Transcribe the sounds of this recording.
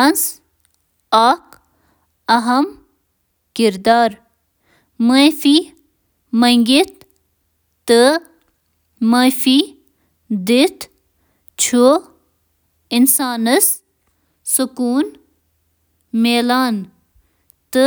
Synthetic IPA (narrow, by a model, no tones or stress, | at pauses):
ans | aːk | ɐɦɐm | kiɾd̪aːɾ | mɐfi | mɐŋɡit̪ː | ɨ | mɐfi | d̪it̪ | t͡ʃʰo | insaːnəs | sukuːn | meːlaːn | t̪ɨ